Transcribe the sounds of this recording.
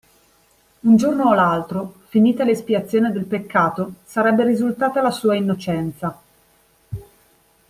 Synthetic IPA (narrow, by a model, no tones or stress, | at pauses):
und͡ʒornoːlalt̪ɾofiniːt̪alespiat̪sːjoːned̪elpekːaːt̪osaɾɛbːeɾizult̪aːt̪alasuːainːot͡ʃɛnt̪sa